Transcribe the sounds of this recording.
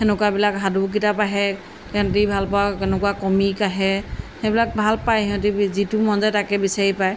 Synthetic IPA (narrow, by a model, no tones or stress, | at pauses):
hɛnɛkuabilakɦaduk̬itapaɦɛ | ɛ̃ntibʱalpawaɛnɛkuwakɔmikaɦɛhebilak̚bʱalpajɛ̃tizitumɔnzajtakɛbisaɹipaj